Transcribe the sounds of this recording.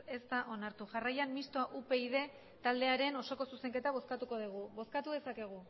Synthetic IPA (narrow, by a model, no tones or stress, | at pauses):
e̞st̪aʔo̞naɾt̪uʝarajanmist̪oaʔupe̞iðe̞ | t̪ald̪e̞aɾe̞no̞so̞ko̞suse̞ŋke̞t̪aβ̞o̞skat̪uko̞ð̞iɣ̞uβo̞skat̪uðe̞sake̞ɣ̞u